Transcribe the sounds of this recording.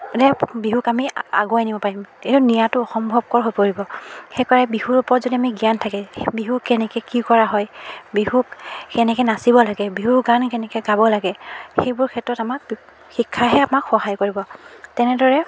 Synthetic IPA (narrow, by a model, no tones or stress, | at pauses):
dɛbiɦukamia̰ɡɔajnibɔpaɹimeʊnijatʊɔxɔmbʱɔb̚kɔɹɦojpoɹibɔxɛjkaɹɛbihuɹupɔɹɔtzodiamiɡijantʰakɛbiɦukɛnɛkɛkikɔɹaɦɔjbihukkɛnɛkɛnasibɔlaɡɛbiɦuɡankɛnɛkɛɡabɔlaɡɛxejbʊɹkʰɛtɔtamak̚ | xikʰːaɦɛamakxɔɦajkoɹibɔtɛnɛdɔɹɛ